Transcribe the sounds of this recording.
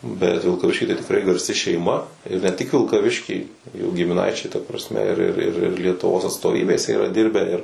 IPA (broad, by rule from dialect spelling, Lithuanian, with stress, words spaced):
bʲɛt ʋʲɪlˠkɐˈʋʲɪʃʲkʲiː tɐɪ tʲɪkˈrɐɪ ɡɐrʲˈsʲɪ ʃʲɛɪˈmɐ ɪr nʲɛ tʲɪk ʋʲɪlˠkɐˈʋʲɪʃʲkʲiː juː ɡʲɪmʲɪˈnɐɪt͡ʃʲɛɪ tɐ prɐsʲˈmʲɛ ɪr ɪr ɪr ɪr lʲiɛtʊˈʋoːs ɐtstoːˈʋʲiːbʲeːsʲɛ iːrɐ ˈdʲɪrʲbʲæː ɪr